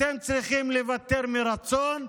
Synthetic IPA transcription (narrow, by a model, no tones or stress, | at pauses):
emt͡sɾiχimlevat̪eɾmiɾat͡son